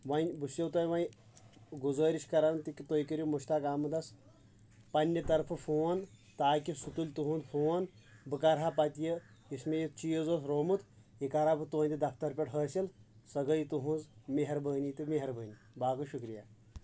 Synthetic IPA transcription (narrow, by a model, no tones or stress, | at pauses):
ʋɐnʲbusjewt̪ojʋɐj | ɡuzəːɾiʃkɐɾant̪ikʲit̪ojkəɾʲimuʃt̪akaːmɨd̪ɐs | pɐnʲːɐt̪ɐɾpʰɨfuːɐnt̪aːkisut̪ulʲt̪uɦũnd̪fʰuɐn | bɨkɐɾɦapɐt̪ʲjə | ismejit͡ʃijɐzoːsɾoːmɨt̪ | ikaɾabɨt̪oːnʲd̪id̪ɐft̪ɐɾpʲeʈɦəːsilsɐɡɐlit̪uɦũnzmeɦɐɾbəːnʲit̪ɨmeɦɐɾbəːnʲi | baːkɨʃukɾija